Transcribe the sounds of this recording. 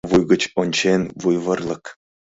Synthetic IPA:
ʋujɡɤ̆t͡ɕonʲt͡ɕʰenʲvujʋɤ̆rlˠɤ̆k

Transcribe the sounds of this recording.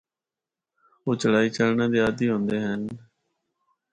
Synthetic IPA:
oːt͡ʃəlaːiːt͡ʃəlnãːd̪eːaːd̪iːɦõːnd̪eːɦən

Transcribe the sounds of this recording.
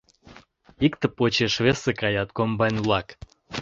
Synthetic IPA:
ikt̪ə̆pot͡ɕeʃvesekɑjɑt̪̚kombɑnʲlˠɑk

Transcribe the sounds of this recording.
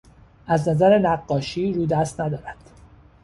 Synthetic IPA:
ʔæznæzæɾenæɢːɒːʃiːɾuːd̪æst̪næd̪ɒːɾæd̪̥

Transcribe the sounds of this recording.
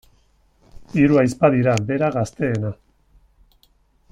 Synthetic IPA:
iɾuajspaðiɾabe̞ɾaɣast̪e̞ːna

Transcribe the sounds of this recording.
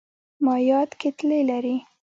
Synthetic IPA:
mɑjɑt̪ket̪lelaɾi

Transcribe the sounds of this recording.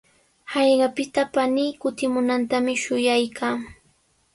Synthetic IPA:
hɑjɢɑpɪt̪apaniːkʊt̪ɪmʊnant̪amɪʃʊjajkʰaː

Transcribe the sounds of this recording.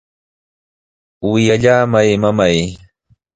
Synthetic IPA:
wɪjaʎaːmajmamaj

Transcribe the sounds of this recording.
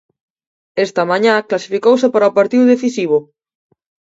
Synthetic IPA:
est̪ɐmãɲãklasifikowsɪpaɾɐopaɾt̪iðʊðeθisiβ̞ʊ

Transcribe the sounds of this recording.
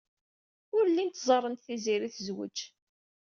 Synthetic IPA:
ʊɾlːint̪zˤɑrˤːənt̪θiziɾiθəzwə̰t͡ʃ

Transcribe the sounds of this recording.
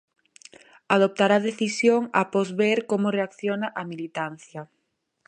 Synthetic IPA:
að̞op̚t̪aɾaðeθisjoŋa̰pɔzβeɾkomoreakθjonaʔamilit̪an̟θjɐ

